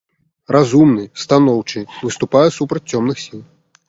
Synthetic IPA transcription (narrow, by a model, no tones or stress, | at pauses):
rʔazumnɨst̪anɔwt͡ʂɨvɨst̪upajɛsupɾɐt͡sʲt͡sʲɔmnɨxsʲilˠ